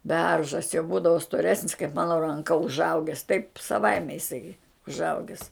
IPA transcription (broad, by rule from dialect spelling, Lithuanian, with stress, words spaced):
ˈbʲɛrʒɐs jɛʊ ˈbuːdɐʋoː stoːˈrʲæːsʲnʲɪs kɐɪp ˈmɑːnoː rɐŋˈkɐ ʊʒˈɐʊɡʲɛs tɐɪp sɐˈʋɐɪmʲɛ ɪˈsɐɪ ʊʒˈɐʊɡʲɪs